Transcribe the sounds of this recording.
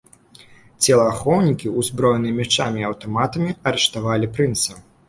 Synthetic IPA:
t͡sʲɛlˠɐːxɔwnʲikʲiuzbɾɔjɛnɨjɐmʲɛt͡ʂamʲiɐwt̪ɔmat̪ɐmʲiɐɾɛʂt̪avalʲipɾɨnt̪sɐw

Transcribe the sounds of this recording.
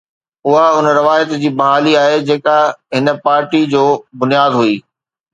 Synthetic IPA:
ʊɦaʊnəɾɐʋaːjət̪d͡ʑiːbɐɦaːliaːɦed͡ʑeːkaɦɪnə̆paːɾʈid͡ʑoːbʊnijaːd̪ɦuiː

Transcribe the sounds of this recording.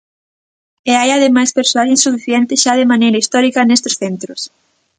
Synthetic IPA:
eajaðemajspeɾsoaʎẽnsufiθjent̪ɪʃaðemanejɾɐist̪ɔɾikɐnest̪o̥sθent̪ɾʊs

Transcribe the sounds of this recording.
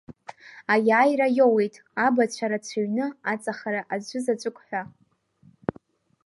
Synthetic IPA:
ajaːjrajowe̞jtʼ | abat͡ɕʷʰaɾat͡ɕʷʰaɥnɨat͡sʼaχaɾaʔazʷʊzat͡ɕʷʼʊkʷʼħʷᶣa

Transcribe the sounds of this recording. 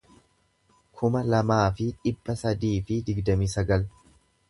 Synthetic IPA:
kʰʊmɐlɐmaːfɪᶑɪbːɐsɐd̪iːfɪd̪ɪɡd̪ɐmiːsɐɡɐl

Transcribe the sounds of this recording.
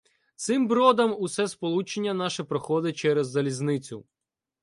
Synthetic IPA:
t̪sɪmbɾɔd̪ɐmʊsɛspɔlˠut͡ʃenʲːɐnɑʃɛpɾɔxɔd̪ɪt͡ʃɛɾɛzːɐlʲiznɪt͡sʲʊ

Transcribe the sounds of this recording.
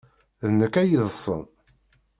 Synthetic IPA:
ðnəkːæjiðəsˤə̰n

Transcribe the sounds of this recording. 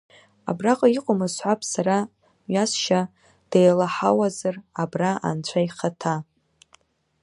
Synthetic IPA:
a̰braqʼaiqʷʼomɨzħʷapʰʼsaɾa | ɥasʃa | d̥ejlaħawazarabraa̰nt͡ɕʷʰajχatʰa

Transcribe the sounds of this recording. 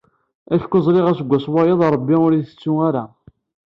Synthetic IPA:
æçkʷːʊzˤɾiʁæsəɡʷːæswɑjeðˤɾˤəbːiʊɾiθə̥t͡sːuŋaɾa

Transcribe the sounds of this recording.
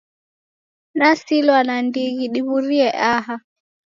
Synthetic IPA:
nasilwanandiɣiɗiβuɾiɛʔaɦa

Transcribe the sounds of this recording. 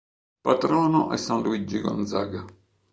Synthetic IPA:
pat̪ɾɔːnʊʔɛ̰sːanluid͡ʒːiɡɔ̰nzaɡa

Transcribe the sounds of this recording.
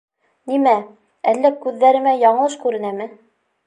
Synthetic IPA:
nimæ | ælːækʉðːæɾɘ̆mæjɑɴɤ̆lˠɤʃkʉɾɘ̆næmɘ

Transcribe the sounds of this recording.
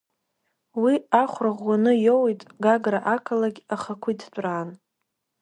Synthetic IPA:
wiaχʷraʁʷwanɨjowitʼɡaɡraʔakʰalaɡʲaχakʷʰidtʷʼraːn

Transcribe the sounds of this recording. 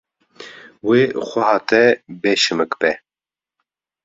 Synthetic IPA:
weːxʷɛhɑːt̪ɛbeːʃɨmɨkbɛ

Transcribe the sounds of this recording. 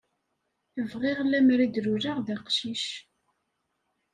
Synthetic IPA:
əvʁɪʁlːæmɾid̪ɾuɾaʁðæqʃiʃ

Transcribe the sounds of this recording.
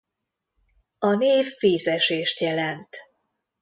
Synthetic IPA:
ɒneːvːiːzɛʃeːʃt̪jɛlɛnt̪

